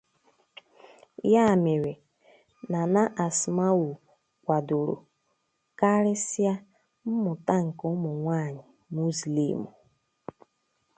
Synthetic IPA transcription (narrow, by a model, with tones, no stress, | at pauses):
ja˦˨me˨ɾe˨ | na˨na˦ʔa˨sma˦wu˨ | kʷa˨dʊ˨ɾo̰˨ | ka˦ɾɪ˦sa˦ | m̩˦mʊ˨ta˦ŋ̩˨kʊ˦mʊ˨ŋʷaː˦˨ɲɪ˨ | mu˦slḭ˨mṵ˨